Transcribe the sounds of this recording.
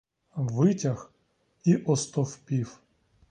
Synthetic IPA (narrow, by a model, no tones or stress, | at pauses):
ʋɪtʲɐx | iʔɔst̪ɔfpʲiw